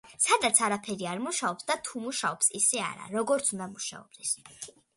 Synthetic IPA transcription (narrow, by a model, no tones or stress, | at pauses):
sad̪at̪sʰaɾapʰɛɾiaɾmuʃaɔpsd̪at̪ʰumuʃaɔpsisɛa̰ɾa̰ɾɔɡɔɾt̪sʰund̪amuʃa̰ɔb̥̚d̪ɛs